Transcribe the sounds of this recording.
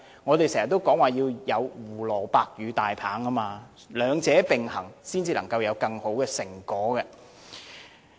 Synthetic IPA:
ŋɔː˨˧t̪e˨jsɛː˨˩jɐ˨t̪ːo˥wkɔː˨˥ŋwaː˨˩jiː˧wjɐ˨˧wuː˨˩lɔː˨˩paː˧k̚jyː˨˧t̪aː˨jpʰaː˨˥ŋkɐ˥maː˧ | lœː˨˧ŋt͡sɛː˨˥pɪ˨˩ŋhɐ˨˩ŋsiː˥nt͡siː˧lɐ˨˩ŋkɐ˧wjɐ˨˧wkɐ˧ŋho˨˥wkɛː˧sɪ˨˩ŋkɔː˨˥ɡɛ˧

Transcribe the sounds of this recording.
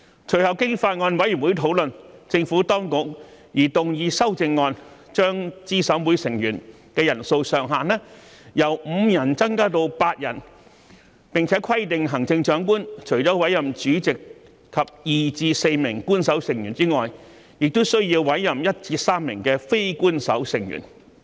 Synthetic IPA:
t͡ʃʰɵ˨˩ɥhɐ˨˩wkɪ˥ŋfaː˧t̚ŋɔː˧nwɐ˨˥jy˨˩nwuː˨˥jt̪ʰo˨˥wlɵ˨nt͡sɪ˧ŋfuː˨˥t̪ɔː˥ŋkʊ˨˥k̚jiː˨˩t̪ʊ˨˩ŋjiː˧sɐ˥wt͡sɪ˧ŋːɔː˧n | t͡ʃœː˥ŋt͡siː˥˩sɐ˨˥wmuː˨˥jsɪ˨˩ŋjyː˨˩n | kɛː˧jɐ˨˩nso˧wsœː˨˩ŋɦaː˨nɛː˥jɐ˨˩wm̩ː˨˧jɐ˨˩nt͡sɐ˥ŋkaː˥t̪o˧wpaː˧t̚jɐ̰˨˩n | pɪ˨ŋt͡sʰɛː˨˥kʰwɐ˥jt̪ɪ˨ŋɦɐ˨˩ŋt͡sɪ˧ŋt͡ʃœː˨˥ŋkuː˥nt͡ʃʰɵ˨˩jt͡ʃɔː˨˥wɐ˨˥jːɐ˨mt͡ʃyː˨˥t͡sɪ˨k̚ | kʰɐ˨p̚jiː˨t͡siː˧se˧jmɪ˨˩ŋkuː˥nsɐ˨˥wsɪ˨˩ŋjyː˨˩nt͡siː˥ŋɔː˨j | jɪ˨k̚t̪o˥wsɵ˥ɥjiː˧wwɐ˨˥jːɐ˨mjɐ˥t̚t͡siː˧saː˥mːɪ˨˩ŋkɛː˧fe˥jkuː˥nsɐ̰˨˥wsɪ˨˩ŋjy̰˨˩n

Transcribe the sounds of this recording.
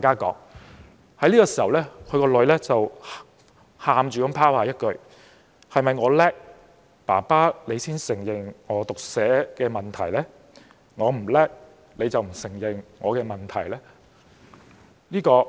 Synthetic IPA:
aː˨jkaː˥kɔ̰ː˨˥ŋ | hɐ˨˥liː˥kɔː˧siː˨hɐ˨˩wlɛː˥kʰɵ˨˧ɥkɔː˧lɵ˨˧ɥlɛː˥t͡sɐ˨w | haː˨mt͡ʃyː˨˩kɐ˨˥mpʰaː˥whaː˨˩jɐ˥t̚kɵ˨˧ɥ | hɐ˨jmɐ˨jŋɔː˨˧lɛː˥k̚ | pa̰ː˨˩paː˥le˨˧jsiː˥nsɪ˨˩ŋjɪ˨˩ŋŋɔː˨˧t̪ʊ˨k̚sɛː˨˥kɛː˧mɐ˨nt̪ʰɐ˨˩jlɛː˥ | ŋɔː˨˧m̩˨˩lɛː˥k̚ | le˨˧jt͡sɐ˨wm̩˨˩sɪ˨˩ŋjɪ˨˩ŋŋɔː˨˧kɛː˧mɐ˨nt̪ʰɐ˨˩jlɛː˥ | liː˥kɔː˧

